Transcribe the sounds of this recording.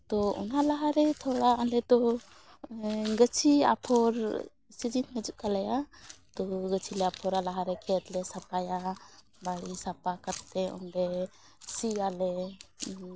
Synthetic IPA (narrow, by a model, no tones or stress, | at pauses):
t̪ɔɔ̰nalaɦaɾɛt̪ʰɔɽaalɛt̪ɔ | ɡət͡ʃʰia̰pʰɔɾ | sid͡ʒinmɛd͡ʒuʔ̚kalajat̪ɔɡət͡ʃʰilɛapʰɔɾalaɦaɾɛkʰɛt̪lɛsapaja | baɽisapakat̪ːɛɔ̰nɖɛ | siɡalɛ